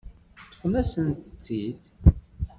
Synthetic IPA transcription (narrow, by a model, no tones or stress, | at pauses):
t̪ːə̥fnæsənt̪ət͡sːid̪